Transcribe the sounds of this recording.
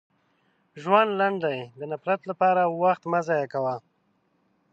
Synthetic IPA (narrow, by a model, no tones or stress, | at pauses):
ʒwand̪laɳɖajd̪ənapɾat̪lapɑɾawaxt̪mazɑjakawa